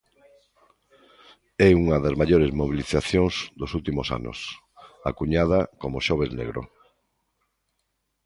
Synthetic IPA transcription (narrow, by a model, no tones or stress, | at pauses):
ɛuŋɐðazmaʎoɾezmoβiliθaθjõŋzd̪osult̪imosa̰nʊ̰s | akuɲað̞akomoʃɔβeznḛɣɾo̰